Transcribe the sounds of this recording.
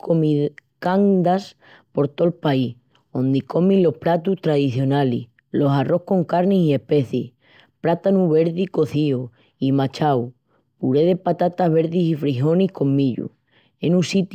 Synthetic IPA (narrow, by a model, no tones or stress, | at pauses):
komikand̪as | po̞ɾt̪o̞lpai | o̞nd̪iko̞mĩlo̞hpɾat̪uht̪ɾaðiθjo̞nalḭh | lo̞saro̞hko̞ŋkaɾnisie̞pe̞θi | pɾat̪anuβe̞ɾðiko̞θio | imat͡ʃaw | puɾeð̞e̞pat̪at̪aɦβe̞ɾðisifɾiɦo̞niko̞mːiʎṵ | enũsit̪